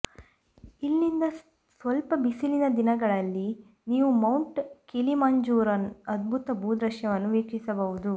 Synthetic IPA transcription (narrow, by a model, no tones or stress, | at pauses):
ilːind̪ɐ | sʋɐlpɐbisilinɐd̪inɐɡɐɭɐlːi | niːʋumɐwɳʈkilimaːɲd͡ʒuːɾɐnɐd̪̚bʱut̪ɐbʱuːd̪ɾɐʃjɐʋɐnːuʋiːkʂisɐbɐʋud̪u